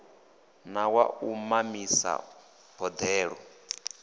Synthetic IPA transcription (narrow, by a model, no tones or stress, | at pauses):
nawa̰umamisa̰ | bɔd̪ɛːɺɔ